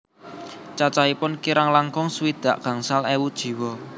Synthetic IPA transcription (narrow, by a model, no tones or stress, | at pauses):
t͡ʃat͡ʃaipʊnkiɾaŋlaŋkɔŋsuwid̪̥a̤ʔɡ̥a̤ŋsalewud̥ʒ̥i̤wɔ